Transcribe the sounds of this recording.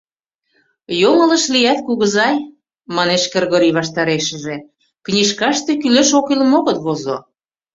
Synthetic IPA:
joŋɤ̆lə̆ʃlijæt̪̚kuɣə̆zɑj | mɑneʃkĕrɣoɾiβɑʃt̪ɑɾeʃə̆ʒĕ | knʲiʃkɑʃt̪ĕkyleʃokilmoɣɤt̪βozo̰

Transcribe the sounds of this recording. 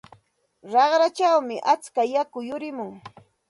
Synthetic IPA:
ɾɑɢɾat͡ʃawmɪʔat͡skajakʊjʊɾɪmʊŋ

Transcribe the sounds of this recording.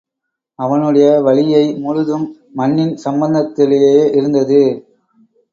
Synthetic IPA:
ɐʋɐnɯɽɐjɐʋɐɭɪjɐɪmʊɻʊðɯmː | ɐnːɪnsɐmbɐnd̪ɐt̪ːɪlejeːʔɪɾɯnd̪ɐðɯ

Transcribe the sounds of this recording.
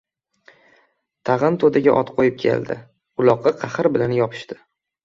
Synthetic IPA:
t̪ʰɑʁɨnt̪ʰod̪aɡʲaʔɒt̪qʰojɪp̚kʲʰe̞̰ld̪ɪ̰ | ʊlˠɒqːɑqʰɑχɨɾbɪlanjɒpʰɪ̥ʃt̪ɪ

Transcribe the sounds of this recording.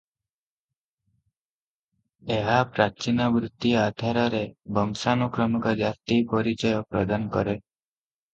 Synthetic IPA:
eɦapɾat͡ʃinabɾut̪ːiad̪ʱaɾɔɾebɔmsanukɾɔmɔkɔd͡ʒast̪ipɔɾit͡ʃɔjɔpɾɔ̰d̪ankɔ̰ɾe

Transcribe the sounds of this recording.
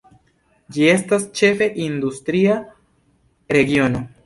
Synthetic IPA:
d͡ʒie̞stast͡ʃe̞fe̞ʔind̪ustɾia | ɾe̞ɡio̞no̞

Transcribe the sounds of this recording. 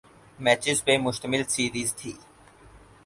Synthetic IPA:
mɛːt͡ʃɪzpeːmʊʃt̪əmɪlsiːɾiːzt̪ʰiː

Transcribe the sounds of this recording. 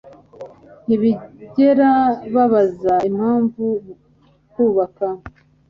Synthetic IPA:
niβiɟe̞ɾaβaβazaim̥haːɱvu | kuːβaka

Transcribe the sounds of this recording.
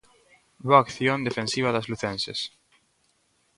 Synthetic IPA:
βoakθjõnd̪efẽnsiβ̞aðazluθensḛs

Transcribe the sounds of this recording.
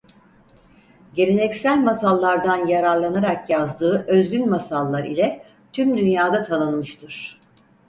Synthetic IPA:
ɟe̞lʲenɛcsælʲmasalˠːaɾd̪anjaɾaɾlˠanaɾakjazd̪ɯːʔøzɡynmasalˠːaɾḭlʲɛ | t̪ʰymd̪ynjaːd̪at̪ʰanɯnmɯʃt̪ʰɯɾ̥

